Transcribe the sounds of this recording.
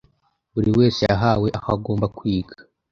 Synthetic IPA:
βuɾiwe̞ːsejaɦawe̞ʔakaɡo̞ːmbakwiːɡḁ

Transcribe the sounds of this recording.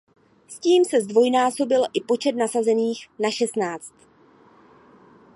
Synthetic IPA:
sciːmsɛzdvo̞jnaːso̞bɪlʔɪpo̞t͡ʃɛt̪̚nasazɛniːxnaʃɛst̪naːt͡st̪

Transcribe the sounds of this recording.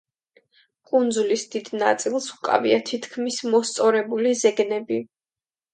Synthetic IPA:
kʼund̪zulisd̪id̪nat̪sʼilˠsukʼa̰viat̪ʰit̪ʰkʰmismɔst̪sʼɔɾɛbulizɛɡnɛbi

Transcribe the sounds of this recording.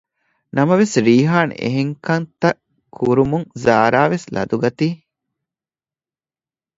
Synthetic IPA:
nɐmɐʋesɾiːɦaːnḛɦeŋkɐnt̪ɐʔ | kʰuɾumuŋzaːɾaːʋeslɐ̰d̪uɡɐt̪iː

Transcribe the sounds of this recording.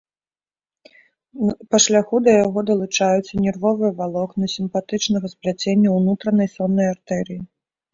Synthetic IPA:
pɐʂlʲaxud̪ɐjaɣɔd̪ɐlˠut͡ʂajut̪sːɐnʲɛrvɔvɨjɐvalˠɔknɐsʲimpat̪ɨt͡ʂnɐɣɐsplʲat͡sʲenʲːɐwnut̪ɾɐnɐjsɔnːɐjart̪ɛɾɨji

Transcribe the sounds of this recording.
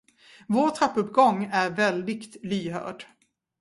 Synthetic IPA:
voːʈ̪ʰɾapːɵpːɡɔŋːæɾvɛld̪ɪɡt̪lyːɦœ̰ːɖ

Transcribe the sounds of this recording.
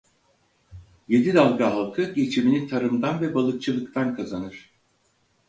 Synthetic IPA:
je̞d̪id̪alˠɡaɦalˠkʰɯɟe̞t͡ʃʰiminit̪ʰaɾɯmd̪anvɛbalˠɯk̚t͡ʃʰɯlˠɯk̚t̪ʰankʰazanɯɾ̥

